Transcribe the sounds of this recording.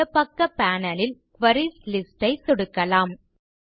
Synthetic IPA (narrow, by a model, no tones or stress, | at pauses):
ɐpːɐkːɐpːaːnɐlɪlkʋɐɾislɪsʈɐɪsɔɽɯkːɐlaːm